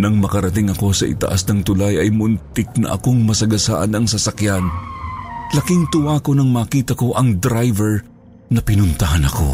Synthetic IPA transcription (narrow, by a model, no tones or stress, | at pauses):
nɐŋmɐkɐɾɐt̪ɪŋɐko̞sɐʔɪ̰t̪ɐ̰ʔa̰snɐŋt̪ʊlajɐjmʊnt̪ɪk̚nɐ̰ʔɐko̞ŋmɐsɐɡɐsaʔɐnɐŋsɐsɐkjan | lɐkɪŋt̪ʊwaːko̞nɐŋmaːkiːt̪ɐko̞ʔɐŋd̪ɾajvɛɹ | nɐpɪnʊnt̪ɐɦanɐko̞̰